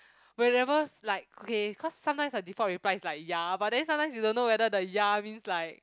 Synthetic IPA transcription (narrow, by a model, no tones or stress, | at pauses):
wɛɹɛvəlaɪk̚okeikʰɔsːãmtãɪ̃msədifɔ̃tɹiplaɪslaɪk̚jabat̚dɛ̃nsãmtãj̃msjudõnːowɛdədəjamĩnslaɪk̚